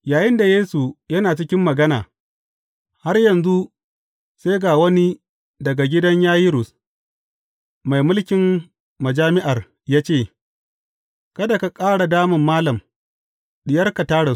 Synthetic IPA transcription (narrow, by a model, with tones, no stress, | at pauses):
jaː˨jɪ˦nda˨jeː˦su˨jɐ˦naː˨t͡ʃɪ˦kʲɪ˦mːɐ˨ɡɐ˦na̰ː˨ | ha˦rjɐ˨nzu˦ | se˦ɡaː˨wɐ˦ni˦ | dɐ˨ɡa˨ɡʲɪ˦dɐ˦ɲjaː˦jɪ˦ɾʊ˨s | ma˨jmʊ˦lkʲɪ˨m | mɐ˨d͡ʒaː˦mɪ˦ʔa˨r | jaː˦t͡ʃeː˦˨ | kɐ˦da˨ka˨kʼaː˦ɽa˨daː˦mʊ˨mːaː˦lɐ˨m | ɗɪ˨jɐ˦rka˨taː˦ɽa˨